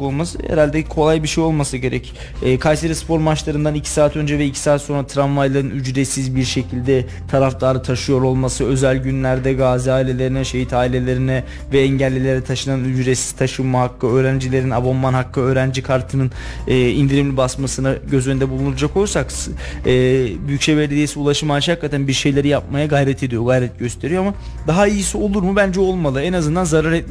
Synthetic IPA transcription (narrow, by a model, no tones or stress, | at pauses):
olˠmasɯ̰hḛɾalʲd̪ɛkʰo̞lˠajbiɾʃejo̞lˠmasɯɟe̞ɾɛcː | kʰajseɾispʰo̞ɾmat͡ʃlˠaɾɯnd̪anicʰi̥saːt̪ʰø̞nd͡ʒɛvɛicʰi̥saːt̪so̞nɾat̪ʰɾanvajlˠaɾɯnyd͡ʒɾesizbiɾʃe̞cʰilʲd̪ɛ | t̪ʰaɾaft̪ʰaːɾɯt̪ʰaʃɯjo̞ɾo̞lˠmasɯø̞zælʲɟynlʲæɾd̪ɛɡaːziaːilʲe̞lʲe̞ɾinɛʃe̞jit̪ʰaːilʲe̞lʲe̞ɾinɛ | vɛɛɲɟælʲːelʲe̞ɾɛt̪ʰaʃɯnanyd͡ʒɾesi̥z̥t̪ʰaʃɯmmaɦakːɯøːɾænd͡ʒilʲe̞ɾinabo̞nmanɦakʰːɯø̞ːɾænd͡ʒikʰaɾt̪ʰɯnɯnː | ind̪iɾimlʲibasmasɯnaɟø̞zynd̪ɛbulˠunuɾad͡ʒako̞lˠsaksɛːbyjycʃevɛɾlʲid̪eisiulˠaʃɯmanʃhakːat̪ʰænbiɾʃe̞jlʲe̞ɾijap̚majaɡajɾɛt̪ʰe̞d̪ijo̞ɡajɾɛt̪̚ɟ̥ø̞st̪ʰe̞ɾijo̞ama | d̪aɦaijisio̞lˠuɾmɯbænd͡ʒɛo̞lˠmalˠɯɛnazɯnd̪anzaɾaɾɛt̪̚